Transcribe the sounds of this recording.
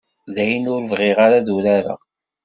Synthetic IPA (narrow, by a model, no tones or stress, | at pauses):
ðæjnʊɾvʁɪʁaɾaðuɾaɾa̰